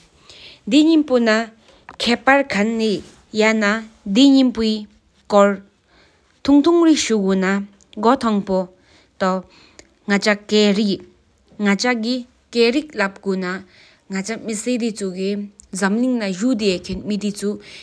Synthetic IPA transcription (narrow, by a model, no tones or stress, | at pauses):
d̪iɲimpona | kʰɛːpaɹkʰanːi | janad̪iɲimpoi | kɔɹ | t̪ʰuŋt̪ʰuŋriʔ̚ɕuɡuna | ɡɔt̪ʰɑŋpo | t̪a | ŋat͡ɕakeːriʔ | ŋat͡ɕaɡi | keːɹik̚lap̚ɡuna | ŋat͡ɕamised̪it͡sʰukizamliŋnaʑud̪eːkʰenmid̪it͡su